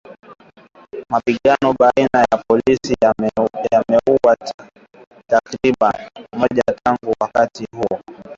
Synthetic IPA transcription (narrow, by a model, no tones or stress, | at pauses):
mapiɠanɔɓainajapɔlisijamɛuwa | takɾiɓanmɔʄataŋɡuwakatihuɔ